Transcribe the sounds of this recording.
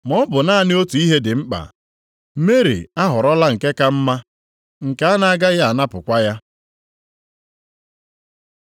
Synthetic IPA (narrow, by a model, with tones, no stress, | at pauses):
mɔ˦bʊ˨na˦a˦˨nɪ˦o˦tu˨i˦ɦe˦dɪ˨m̩˦k͡pa̰˨˦ | me˦ɾḭ˨a˦ɦʊ˨ɾɔ˦la˦ŋ̩˨ke˦ka˦m̩˦ma˦ | ŋ̩˨ka˨a˦na˨a˦ɡa˦ɣa˦a˨na˦pʊ˨kʷa˦ja˦